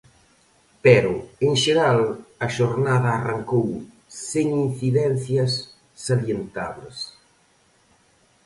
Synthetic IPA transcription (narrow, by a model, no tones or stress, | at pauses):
pɛɾʊeŋʃeɾalɐʃoɾnaðɐːraŋkow | seŋinθiðɛn̟θjɐsː | aljent̪aβles